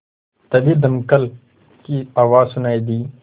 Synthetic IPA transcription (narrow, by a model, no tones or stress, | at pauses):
t̪ɐbid̪ɐmkəl | kiaːʋaːzsʊnaːid̪iː